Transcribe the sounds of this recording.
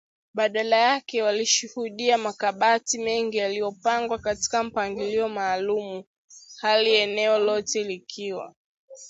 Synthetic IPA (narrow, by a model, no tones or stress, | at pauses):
ɓaɗalajakɛwaliʃuhuɗiamakaɓatimɛŋɡijalijɔpaŋɡwakati̥kam̩paŋɡiliɔmaːlumu | haliɛnɛɔlɔtɛlikʰiwa̰